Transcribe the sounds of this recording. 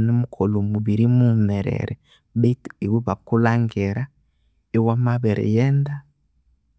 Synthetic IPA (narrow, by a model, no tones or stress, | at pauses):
nemukʰolomuβiɾimumɛɾɛ̰ɾɛ | βetewiβakulaŋɡeɾa | ewamaβeɾʔḛjɛːnda